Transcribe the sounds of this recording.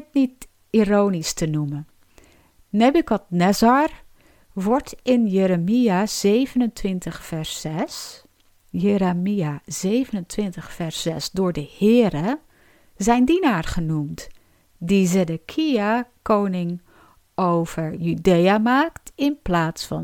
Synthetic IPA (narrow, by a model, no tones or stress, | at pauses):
tnit | ironistənumə | nɛbykɔt̚nɛzar | ʋɔɹtʰɪnjeɾəmijaz̥eːvənəntʰwɪntəχfɛɹsɛs | jeɾamiaz̥eːvənəntʰʋɪntəχfɛɹsɛsdʊːɹdəhɪːəɾə | zɛjndinaːrχənumt | dizɛdəkʰiakownɪŋ | owv̥əɹjydejamaːktɪnplaːtsfɔ